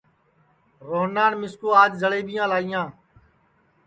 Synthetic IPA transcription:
ɾoːɦnaːnmɪskoːaːd͡ʒzəɭeːɓɪjãːlaːijãː

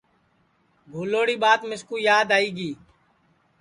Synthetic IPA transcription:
ɡʱuːloːɽiːɓaːt̪mɪskuːjaːd̪aːiːɡiː

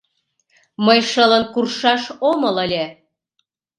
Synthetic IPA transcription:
məjʃələnkurʃɑʃomələlʲe

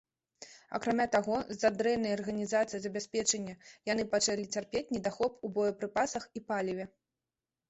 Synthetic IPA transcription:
ɐ̰kɾamʲat̪aɣɔzad̪ɾɛjnɐjɐɐrɣɐnʲizat̪sɨjizɐbʲasʲpʲɛt͡ʂɐnʲːɐjan̪ɨpat͡ʂalʲit͡sʲarpʲet͡sʲnʲɛd̪axɔpubɔjɐpɾɨpasɐxipalʲivʲɛ

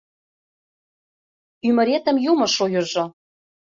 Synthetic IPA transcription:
ymɘ̆ɾet̪ə̆mjumɤ̆ʃojɤ̆ʒɤ̆

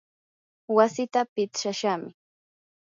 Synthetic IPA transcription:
wasɪt̪apɪt͡sʃaʃamɪ

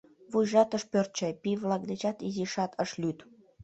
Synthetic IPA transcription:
βujʒɑt̪əʃpørt̪̚t͡ɕɑjpiβlɑk̚d̪et͡ɕɑt̪iziʃɑt̪ʰəʃlyt̪

